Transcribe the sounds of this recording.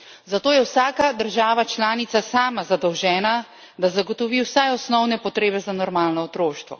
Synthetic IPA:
zat̪oːjɛwsaːkad̪əɾʒaːʋat͡ʃlaːnit̪sasaːmazad̪ɔwʒɛːna | d̪azaɡɔt̪ɔʋiːwsajɔsnɔwnɛpɔt̪ɾeːbɛzanɔɾmaːlnɔɔt̪ɾoːʃt̪ʋɔ̰

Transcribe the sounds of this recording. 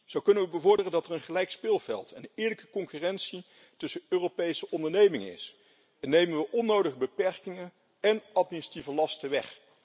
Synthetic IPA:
z̥owkɵnənʋəbəvʊɹdərəndɑtərənχəlɛjkspɪːlˠvɛ̰lˠtɛnɪːɹləkə̥kɔŋkyːrɛnsi | tɵsəøːrowpejsəʔɔndəɹnejmɪŋənɪ̰s | ɛnːejmənʋəʔɔnːowdəχəbəpɛɹkɪŋə | ɛnɑt̚minisrativəlɑstəʋɛχ

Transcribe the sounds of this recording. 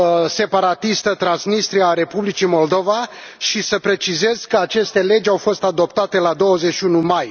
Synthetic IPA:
se̞paɾat̪ist̪ət̪ɾansmist̪ɾiaaɾe̞publit͡ʃimo̞ld̪o̞vaʃisəpɾe̞t͡ʃize̞z̥kəat͡ʃe̞st̪e̞le̞d͡ʒʲawfo̞st̪ad̪o̞pt̪at̪e̞lad̪o̞wəzeʃiunumaj

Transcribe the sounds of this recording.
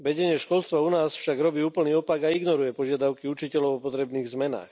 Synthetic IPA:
ʋɛɟɛɲɪɛʃkɔlst̪ʋaunaːsfʃaɡɾɔbiːuːpl̩niːɔpaɡaiɡnɔɾujɛpɔʒɪad̪aʊkiut͡ʃicɛlɔʊɔpɔt̪ɾɛbniːɣzmɛna̰ːx

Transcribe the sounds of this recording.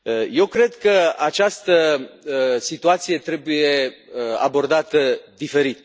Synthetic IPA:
əjewkɾe̞d̪kəat͡ʃast̪ə | sit̪uat̪sije̞t̪ɾe̞buje̞əa̰bo̞rd̪at̪əd̪ife̞ɾit̪

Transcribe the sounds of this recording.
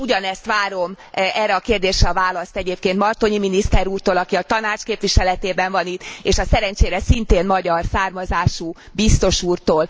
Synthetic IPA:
uɟɒnɛst̪ʋaːɾo̞m | ɛːrːɛɒkeːrd̪eːʃɾɛɒvaːlɒst̪ɛɟeːp̚keːnt̪mɒrt̪oɲiminist̪ɛɾuːrt̪oːlɒkiɒt̪ɒnaːt͡ʃkeːpʋiʃɛlɛt̪eːbɛɱvɒnit̪ːeːʃɒsɛɾɛɲt͡ʃeːɾɛsint̪eːnmɒɟɒrsaːrmɒzaːʃu | bist̪o̞ʃuːrt̪oːl

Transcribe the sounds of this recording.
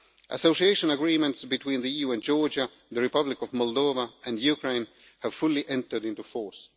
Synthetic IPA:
ʔə̰soʊsieɪʃə̃nəɡɹĩmə̃ntsbitwĩnðəijuɨ̃nd͡ʒɔɹd͡ʒa | ðəɹɪpʌblɪkɔvmɔlˠdoʊvaɨ̃njukɹẽɪ̃n | hæv̥fʊliʔɛ̃ntə˞dɪ̃ntufɔɹs

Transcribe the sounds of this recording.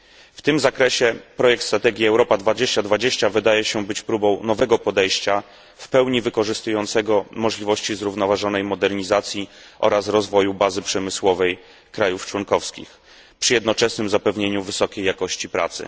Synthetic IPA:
ft̪ɘmzakɾɛɕɛpɾɔjɛk̚t̪st̪ɾat̪ɛɡʲjiɛwɾɔpad̪vad͡ʑeɕt͡ɕad̪vad͡ʑeɕt͡ɕavɘd̪ajɛɕɛbɘt͡ɕpɾubɔ̃w̃nɔvɛɡɔpɔd̪ɛjɕt͡ɕa | fpɛwɲivɘkɔʐɘst̪ujɔnt̪sɛɡɔmɔʐlʲivɔɕt͡ɕizɾuvnɔvaʐɔnɛjmɔd̪ɛɾɲizat̪sʲji | ʔɔ̰ɾasɾɔzvɔjubazɘpʂɛmɘswɔvɛj | kɾajuft͡ʂwɔnkɔfskʲḭx | pʂɘjɛd̪nɔt͡ʂɛsnɘmzapɛvɲeɲuvɘsɔkʲejːakɔɕt͡ɕipɾa̰t̪sɘ̰

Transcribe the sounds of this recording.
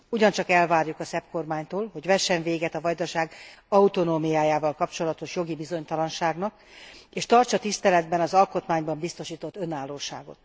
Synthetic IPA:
uɟɒnt͡ʃɒkɛlvaːrjukɒsɛpko̞rmaːɲt̪oːlɦo̞ɟvɛʃːɛɱveːɡɛt̪ɒvɒjd̪ɒʃaːɡɒut̪o̞noːmijaːjaːvɒlkɒpt͡ʃo̞lɒt̪o̞ʃjo̞ɡibizo̞ɲt̪ɒlɒnʃaːɡnɒk | eːʃt̪ɒrt͡ʃɒt̪ist̪ɛlɛd̪bɛnɒzɒlko̞t̪maːɲbɒmbist̪o̞ʃiːt̪o̞t̪ːø̞naːlːoːʃa̰ːɡo̞̰t̪

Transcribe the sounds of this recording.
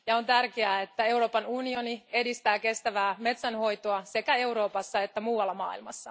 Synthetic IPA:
jɑo̞nt̪ærkeæːet̪ːæe̞uɾo̞ːpɑnunio̞nie̞dist̪æːke̞st̪æʋæːme̞t̪sænho̞jt̪oɑse̞kæe̞uɾo̞ːpɑsːɑe̞t̪ːæmuːwɑlːɑmɑ̰ːḭlmɑ̰sːɑ

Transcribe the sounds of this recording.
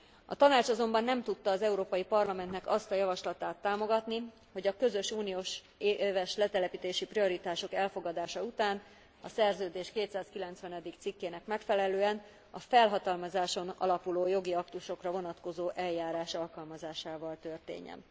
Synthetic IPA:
ɒt̪ɒnaːt͡ʃɒzo̞mbɒnːɛmt̪ut̪ːɒːzɛuɾoːpɒjipɒrlɒmɛnt̪nɛkɒst̪ɒjɒvɒʃlɒt̪aːt̪ːaːmo̞ɡɒt̪ni | ho̞ɟɒkø̞zø̞ʃuːnijoːʃ | eːvɛʃlɛt̪ɛlɛpit̪eːʃiprio̞ɾit̪aːʃo̞kɛlfo̞ɡɒd̪aːʃɒut̪aːn | ɒsɛrzøːd̪eːʃkeːt̪saːskilɛnt̪sʋɛnɛd̪ikt̪sikːeːnɛkmɛkfɛlɛløːɛn | ɒfɛlɦɒt̪ɒlmɒzaːʃo̞nɒ̰lɒpuloːjo̞ɡiɒkt̪uʃo̞krɒvo̞nɒt̪ko̞zoːʔɛljaːɾaːʃɒlkɒlmɒzaːʃaːvɒlt̪ø̞rt̪ḛːɲːɛ̰n

